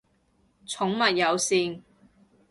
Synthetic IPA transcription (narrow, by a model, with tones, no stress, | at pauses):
t͡sʰʊ˨˥ŋmɐ˨t̚jɐ˨˧wsiː˧n